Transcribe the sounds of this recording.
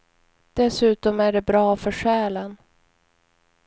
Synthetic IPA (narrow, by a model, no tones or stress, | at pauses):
d̪̥ɛsʉ̟ːt̪ɔmæɖɛbɾɑːfœʂɛːlən